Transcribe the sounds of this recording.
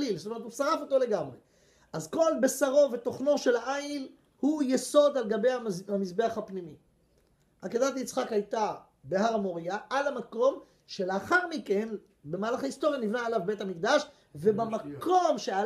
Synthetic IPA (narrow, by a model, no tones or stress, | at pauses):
ilsotomet̪usaʁafo̞t̪o̞le̞ɡamʁe | ʔazko̞lbesaʁo̞ve̞t̪o̞χno̞ʃe̞laʔail | hujeso̞d̪alɡabe̞jaamisbe̞aχhapnimi | akedat̪jit͡sχakhajt̪a | beɦaʁamoʁiaʔalamako̞m | ʃe̞leaχaʁmike̞n | be̞maːlaχaist̪o̞ʁjanivnaːlavbe̞t̪amikd̪aʃ | ve̞bamako̞mʃea